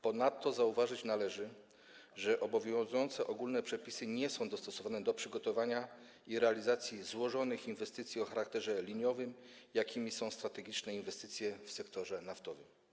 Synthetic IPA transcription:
pɔnat̪ːɔzauvaʐɘt͡ɕnalɛʐɘ | ʐɛʔɔbɔvʲjjɔ̃w̃zujɔnt̪sɛʔɔɡulnɛpʂɛpʲisɘɲɛsɔ̃w̃d̪ɔst̪ɔsɔvanɛd̪ɔpʂɘɡɔt̪ɔvaɲa | iɾɛalʲizat̪sʲjizwɔʐɔnɘxinvɛst̪ɘt̪sʲjiɔxaɾakt̪ɛʐɛlʲiɲɔvɘmjakʲimʲisɔ̃w̃st̪ɾat̪ɛɡʲit͡ʂnɛinvɛst̪ɘt̪sʲjɛfsɛkt̪ɔʐɛnaft̪ɔvɘm

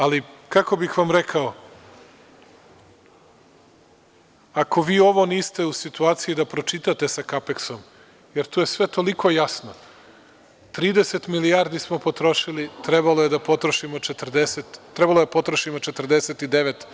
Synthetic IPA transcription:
alikako̞bixʋamɾekʰao | ako̞ʋiːo̞ʋo̞niːst̪e̞usit̪uaːt̪sijid̪apɾo̞t͡ʃit̪at̪e̞sakapeksom | jeɾt̪uːje̞sʋe̞t̪o̞likʰo̞jasno | t̪ɾiːd̪eset̪milijaːɾd̪ismo̞pot̪ɾo̞ʃilit̪ɾebalojed̪apo̞t̪ɾoʃimo̞t͡ʃet̪rd̪eset̪ːɾebalˠoepo̞t̪ɾoʃimot͡ʃet̪r̩d̪eset̪id̪eʋet̪

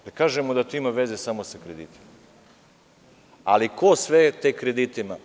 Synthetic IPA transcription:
d̪̥akaːʒemod̪at̪uimaʋezesamosakɾed̪ḭt̪i̥ma | alikosʋet̪ekɾed̪it̪ima

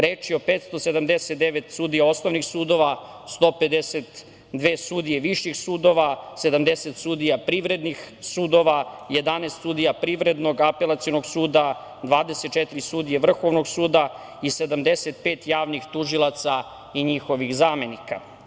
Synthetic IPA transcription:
ɾeːt͡ʃiopet̪st̪o̞se̞d̪amd̪eset̪̚d̪eʋet̪suːd̪ijao̞sno̞ʋnixsuːd̪o̞ʋa | st̪o̞pe̞d̪eset̪ | d̪ʋeːsud̪ijeʋiʃixsuːd̪o̞ʋased̪amd̪eset̪suːd̪ijapɾiʋɾe̞d̪nixsuːd̪o̞ʋaje̞d̪anest̪sud̪ijapɾiːʋɾe̞d̪no̞ɡape̞lˠat̪sionoɡsuːd̪a | d̪ʋaːd̪eset̪̚t͡ʃet̪iɾisuːd̪ijeʋr̩xo̞ʋno̞ɡsuːd̪a | ise̞d̪amd̪eset̪̚peːt̪jaːʋnixt̪uʒilat̪sa | iɲixo̞ʋixzaːme̞nika

